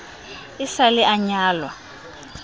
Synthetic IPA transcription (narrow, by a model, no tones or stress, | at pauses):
isalɪʔaɲaːlwa